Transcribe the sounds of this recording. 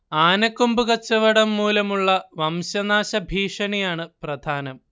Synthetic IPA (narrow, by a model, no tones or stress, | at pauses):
aːnɐkːumbuɣɐt͡ɕːɐʋɐɽɐmːuːlɐmuɭːɐʋɐmɕɐnaːɕɐbʱiːʂɐnijaːɳɨprɐd̪ʱaːnɐm